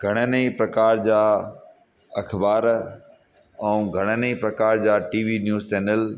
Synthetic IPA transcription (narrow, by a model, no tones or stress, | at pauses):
ɡʱɐɽ̃əneipɾɐkaːɾd͡ʑaː | ɐkʰbaːɾ | ɛ̃ũɡʱɐɽ̃ənəipɾɐkaːɾd͡ʑaːʈiːʋinjuːzt͡ɕɛːnəl